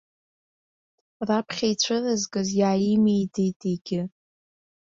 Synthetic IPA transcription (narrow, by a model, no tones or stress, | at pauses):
rapʰχʲajt͡ɕʷʰɨrɨzɡɨzjaːjimejdʰʼitʰʼiɡʲɪ